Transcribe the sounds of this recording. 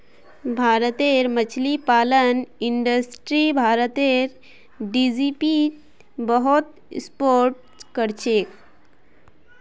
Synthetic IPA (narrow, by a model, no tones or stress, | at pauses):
bʱaːɾət̪eɾmət͡ʃʰlipaːləniɳɖəsʈɾibʱaːɾət̪eɾ | ɖid͡ʒipi | bəɦot̪ | spoɾʈ | kəɾt͡ʃʰek